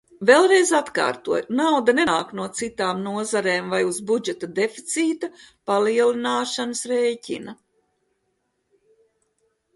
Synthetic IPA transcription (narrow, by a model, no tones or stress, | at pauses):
velˠɾejzat̪ka̰ːɾt̪uɔjnawd̪aneaːknuɔt̪sit̪aːmnuɔzaɾeːmvajuzbud͡ʒɛt̪ad̪efi̥t̪siːt̪apaliɛlinaːʃanəsɾejcʲḭnɐ